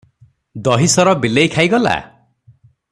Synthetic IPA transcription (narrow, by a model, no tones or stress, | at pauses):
d̪ɔɦisɔɾɔbilejkʰajɡɔla̰